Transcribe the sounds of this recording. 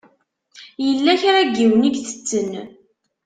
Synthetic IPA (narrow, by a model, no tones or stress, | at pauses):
jəlːæçɾæɡːiwəniɡθə̥t͡sːən